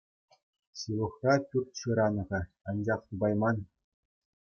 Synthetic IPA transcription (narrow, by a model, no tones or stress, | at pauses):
ɕɯlˠɤ̆χrɑpʲyrʲt̪ʲɕɯɾɑnɤ̆ʁɤ̆ | ɑnd͡ʑɑχt̪ubɑjmɑn